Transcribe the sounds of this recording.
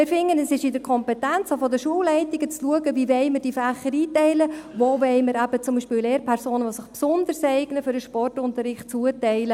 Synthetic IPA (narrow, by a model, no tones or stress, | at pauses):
ɪrfɪŋːənɛsɪʃɪdəɾkʰɔmpɛtɛnt͡sofɔdəʃuəllɛɪtiɡ̥ət͡sluəɡəviʋɛɪməɾd̥ifæχəɾiːtɛɪləvoːʋɛɪməɾæb̥ət͡sʊmbiːʃpɪːleːɾpʰɛɾsoːnəʋosɪχpsʊnd̪əɾsɛɪɡnəfʏɾəʃpɔrtʊnt̪əɾɪχtt͡suətɛɪlə